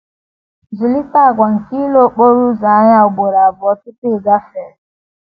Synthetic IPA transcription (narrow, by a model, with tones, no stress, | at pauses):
zu˨li˦ta˦a˨ɡʷa˨ŋ̩˨ki˦lo˦˨k͡po˦ɾu˦za˨a˦ɲa˦ʊ˨ɡ͡bo˨ɾa˨a˨bʊ˨ɔ˦kɪ˦tɪ˦˨ɡa˦fɛ˨ɾɪ˨